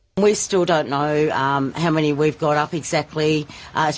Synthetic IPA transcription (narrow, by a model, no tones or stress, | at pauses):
nwistɪlˠdõʊ̃nːoʊʌ̃mhaʊmɛñiwivɡɑɾʌpɨɡz̥æk̚tˡliʔʌ